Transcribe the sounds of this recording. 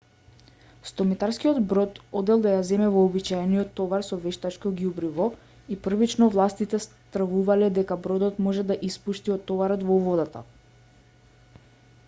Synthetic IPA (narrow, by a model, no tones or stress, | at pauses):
st̪ɔmit̪aɾskijɔd̪bɾɔt̪ɔd̪ɛlˠd̪ajazɛmɛvɔːbit͡ʃajɛnijɔt̪ːɔvaɾsɔvɛʃt̪at͡ʃkɔɡjubɾivɔ | ipr̩vit͡ʃnɔvlˠast̪it̪ɛs | t̪r̩vuvalɛd̪ɛkabɾɔd̪ɔt̪mɔʒɛd̪aʔispuʃt̪iɔt̪ːɔvaɾɔt̪vɔvɔd̪at̪a̰